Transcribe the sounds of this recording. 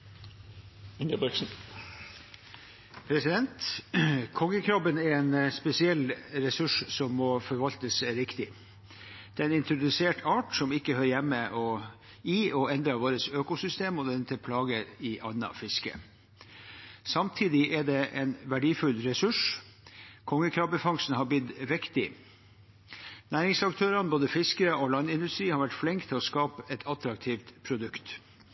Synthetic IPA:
ɪnəbɛksn̩ | pʰɾɛsɪd̪ɛnt̪ | kʰɔŋːəkʰɾɔpːənæɾɛːnspɛsɪɛlːɾɛsʉʂsɔmːɔfɔɾʋɑlt̪əsɾɪkt̪ɪ | d̪̥ɛnɪnt̪ɾʊd̪ʉseːʈʰɑːʈsɔmɪkːəhœʏɾjɛmːəʔɔ | iːɔɛnd̪ɾɑʋoːɾəsøːkʊsʏst̪eːmɔd̪ɛɪnt̪ʰəpʰlɑːɡəɾɪʔɑnːɑ̰fɪskə̰ | sɑmt̪ʰiːd̪ɪʔɛɖɛʔɛnʋæɖiːfʉlɾɛsʉʂ | kʰɔŋːəkʰɾɑːʋbəfɑŋsn̩hɑb̪ɪd̪ʋɪkt̪ɪ | næːɾɪŋsɑkt̪ʰøːɾɑnboːd̪əfɪskəɾəʔɔlɑnːɪnd̪ʉst̪ɾiːhɑɾʋæʈflɛŋkt̪ʰɪlɔskɑːpəɛt̪ʰɑt̪ɾɑk̚t̪ʰiːft̪pʰɾʊd̪ʉkt̪

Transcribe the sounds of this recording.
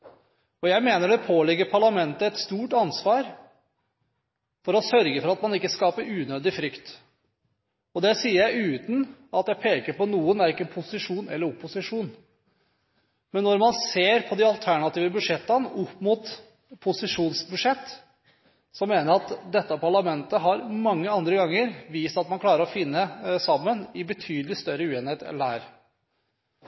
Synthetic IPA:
ɔjæɪmeːnəɖɛpʰoːlɪɡːəɾpʰɑɭɑmɛnt̪əɛt̪st̪uːʈɑnsʋɑːɾ | fɔɾɔsœɾɡəfɔɾɑt̪mɑnɪkːəskɑːpəɾʉːnøːd̪ɪfɾʏkt̪ | ɔd̪ɛsiːəɾjæɪʉːt̪n̩ɑt̪jæɪpʰeːkəɾpɔnuːənæɾɪkːənpʰʊsɪʂuːnɛ̰lːəɾʊpːʊsɪʂuːn | mɛnːɔɾmɑnseːɾpʰɔd̪ɪɑlt̪ʰæɳɑt̪iːʋəbʉd̪ʂɛt̪ːɑnʊpːmʊt̪ | pʰʊsɪʂuːnsbʉd̪ʂɛt̪ː | sɔmeːnəɾɑt̪d̪ɛt̪ːəɑpʰɑɭɑmɛnt̪əɦɑɾmɑŋːəɑnd̪ɾəɡɑŋːəɾʋiːst̪ɑt̪mɑnkʰlɑːɾəɾɔfɪnːəsɑmːənɪbət̪ʰyːd̪lɪst̪œɾəʉːeːnheːt̪ɛ̰ndæ̰ːɾ

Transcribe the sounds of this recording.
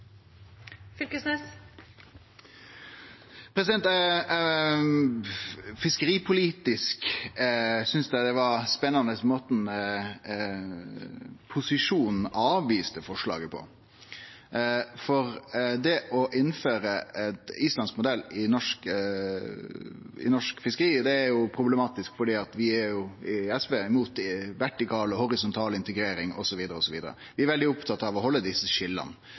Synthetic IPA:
fʏlkəsnɛs | pʰɾɛsɪd̪ɛnt̪ | fɪskəɾiːpʰʊliːt̪ɪsk | sʏnsd̪æɪd̪ɛʋɑɾspɛnːɑnəsmoːt̪n | pʰʊsɪʂuːnn̩ɑːʋiːst̪əfɔʂɭɑ̰ːɡəpʰɔ̰ | fɔɾd̪ɛʔɔʔɪnːføːɾəɛt̪iːslɑnskmʊd̪ɛlːɪnɔʂk | ɪ̰nɔʂkfɪskəɾiːd̪ɛæɾjʊpʰɾʊblɛmɑːt̪ɪskfɔɖiːɑt̪ʋɪæɾjʊɪɛsbeːɪmuːt̪ʋæʈɪkɑːlɔhɔʊɾɪsʊnt̪ʰɑːlɪnt̪əɡɾeːɾɪŋɔ̰sɔʋiːd̪əɾəɔsɔʋiːd̪əɾə̰ʋɪæɾʋɛld̪ɪʊpt̪ʰɑt̪ːɑʋɔɦɔlːəd̪ɪsːəʃɪlːə̰n

